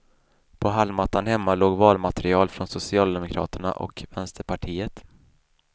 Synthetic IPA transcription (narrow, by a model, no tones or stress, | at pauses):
pʰɔɦalmat̪ːanhɛmːaloːɡvɑːlmat̪ɾɪɑːlfɾɔnsʊsɪɑːld̪ɛmʊkʰɾɑ̰ːt̪əɳa̰ʔɔ̰kvɛnst̪əɾpʰaʈʰiːət̪